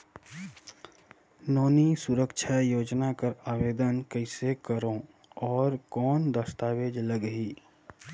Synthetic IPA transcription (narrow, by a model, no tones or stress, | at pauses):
nɔːnisʊɾəkʃʰajoːd͡ʒnakəɾaːʋeːd̪ənkəɪsekəɾõ | ɔːɾkɔːnd̪əst̪aːʋeːd͡ʒləɡɦiː